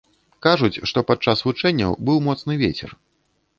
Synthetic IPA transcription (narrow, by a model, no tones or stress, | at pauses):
kaʐut͡sʲʂt̪ɔpat̪̚t͡ʂasvut͡ʂɛnʲːɐ̰wbɨwmɔt̪snɨvʲet͡sʲɛ̰r